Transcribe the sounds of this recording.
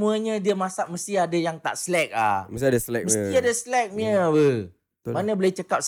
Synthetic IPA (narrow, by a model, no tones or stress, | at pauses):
muəɲə̃diəmãsaʔməst̪iadajaŋt̪a̰ʔslɛk̚la̰məst̪adaslɛk̚məst̪iadaslɛk̚məwə | manəbəleht͡ʃəkap̚s